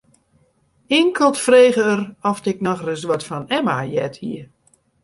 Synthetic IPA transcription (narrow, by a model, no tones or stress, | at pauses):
ɪŋkʰəlˠtfreːɣəərɔftɪk̚nɔxrəzʋɔtfɔnɛma̰jɛthḭə